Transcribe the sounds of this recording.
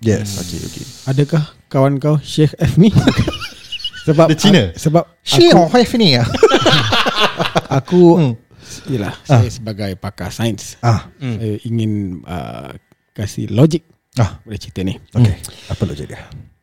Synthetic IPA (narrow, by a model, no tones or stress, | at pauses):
jɛso̰kḛo̰kḛadəkahkawankawʃɛhɛfni | səbadət͡ʃinəsəbap̚ʃaɔhɛfnia | aku | ijəla̰hsajasəbaɡajpaka̰sajənsahsajaʔiŋɪnə̰ | kasḭlɔd͡ʒɪk̚ | ahbolaht͡ʃit̪ənihokeapəlɔ̰d͡ʒḭk̚jə